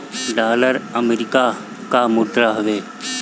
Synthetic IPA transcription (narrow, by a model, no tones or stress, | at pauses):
ɖaːləɾəmeɾɪka | kamʊd̪ɾaɦʊʋeː